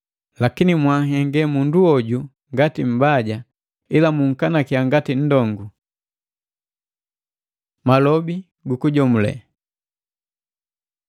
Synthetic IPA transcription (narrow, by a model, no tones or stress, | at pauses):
lakinimwahɛŋɡɛmunduɔɟu | ŋɡatim̩baɟa | ilamuŋ̩kanakiaŋɡatin̩dɔŋɡu | malɔbi | ɡukuɟɔmulɛ̰